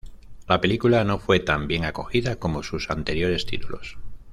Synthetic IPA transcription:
lape̞likulano̞fwe̞t̪ambje̞ŋako̞xiðako̞mo̞susant̪e̞ɾjo̞ɾe̞st̪it̪ulo̞̰s

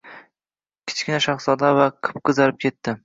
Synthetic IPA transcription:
kʲʰɪ̥t͡ʃkʲɪnaʃaχsɒd̪avaqʰɨ̥p̚qʰɨzalɪp̚kʲʰe̞t̪ːɪ

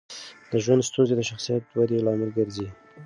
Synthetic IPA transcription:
d̪əʒwand̪st̪unzed̪əʃaxsijat̪wad̪ilɑmɪlɡəɾzi

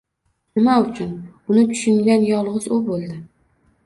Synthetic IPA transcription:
nɪmaʊt͡ʃʰʊnʊnɪt̪ʰʊ̥ʃʊŋɡʲanjɒlˠʁɨzʊbolˠd̪ɪ

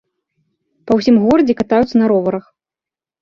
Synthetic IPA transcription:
pɐwsʲimɣɔɾɐd͡zʲɛkat̪ajut̪sɐnɐɾɔvɐɾɐx

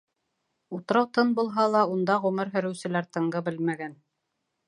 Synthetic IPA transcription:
ut̪ɤ̆ɾɑwt̪ɤnbulˠɦɑlˠɑund̪ɑʁɵ̆mɘɾɦɵ̆ɾɘ̆wsɘ̆læɾt̪ɤ̆ɴɢɤbɘlmæɡæn

